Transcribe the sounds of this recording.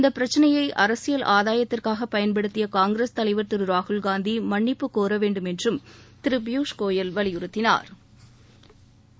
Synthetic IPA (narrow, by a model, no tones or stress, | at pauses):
ɪnd̪ɐpːɪɾɐt͡ʃːɐnɐjɐɪʔɐɾɐsɪjɐlʔaːðaːjɐt̪ːɪrkaːɣɐpɐjɐnpɐɽɯt̪ːɪjɐkaːŋɡɾeːst̪ɐlɐɪʋɐɾt̪ɪɾɯɾaːhɯlɡaːnd̪imɐɳːɪpːɯkːoːɾɐʋeːɳɖɯmɛndrɯmt̪ɪɾɯbjuːʂkoːjɐlʋɐɭɪjʊɾɯt̪ːɪna̰ːɾ